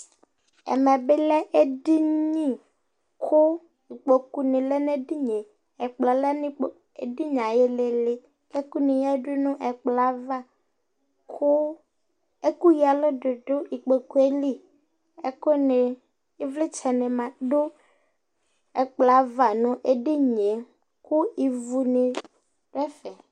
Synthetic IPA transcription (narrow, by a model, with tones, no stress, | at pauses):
ɛ̰˨mɛ̃˨be˦lɛ˦ʔe˦di˦ɲĩ˦ | kʰo˦ | i˨k͡po˨ku˦nĩ˨le˦ne˦di˦ɲe˨ | ɛ˨k͡plɔ˨le˦nĩ˦k͡p | ḛ˨ɖi˦ɲã˨je˦le˨le˦ | e˦ku˦nĩ˨ja˦ɖu˦nũ˦ʔɛ˨k͡pla˦va˦ | ko˦ | e˦ku˦ji˨a˨lo˦ɖe˨ɖo˦i˨k͡pe˨ku˦e˦li˦ | e˦ko˦nẽ˨ | i˦vle˦t͡ʃɛ˨nẽ˨mã˨ɖo˦ | ɛ˨k͡pla˨˦va˨nũ˨ʔe˦ɖi˦ɲẽ˨ | ku˦i˨vu˨nẽ˨ | ɖɛ˦fɛ˨